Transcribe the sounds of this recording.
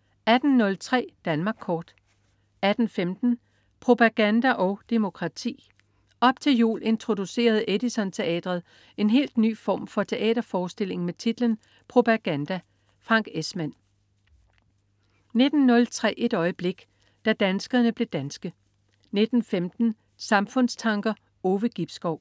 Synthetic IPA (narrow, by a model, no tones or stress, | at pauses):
æd̥n̩ːɔ̽lt͡sʰʁɛ̰ːd̥ænmɑ̈ɡ̥̚kʰːɒːd̥ | æd̥n̩femd̥n̩ | pʰʁo̝pʰæɡ̥ænd̥æʔɒ̽ʊd̥e̝mo̝kʰʁɑ̈t͡sʰḭː | ɒ̽b̥t͡sʰe̝ljṵːle̝nt͡sʰʁo̝d̥use̝̰ːɐð̞ˠedisɒ̽nt͡sʰe̝ɛ̰ːd̥ʁɐðˠ | e̝nɦe̝̰ːld̥ny̰ːfɒ̰ːmfɒ̽t͡sʰe̝ʔɛ̰ːd̥ɐfɒːsd̥e̝l̰e̝ŋmet͡sʰid̥lən | pʰʁo̝pʰæɡ̥ænd̥æ | fʁɑ̈ŋ̰ɡ̥esmæn̰ | ne̝d̥n̩ːɔ̽lt͡sʰʁɛ̰ːʔe̝d̥ɒ̽ɪəb̥le̝ɡ̥ | d̥æd̥ænsɡ̥əɐnəb̥le̝d̥ænsɡ̥ə | ne̝d̥n̩femd̥n̩ | sɑ̈mfɔ̽n̰st͡sʰɑ̈ŋɡ̥ɐ | oːʋəɡ̥ib̥sɡ̥ɒʊ̰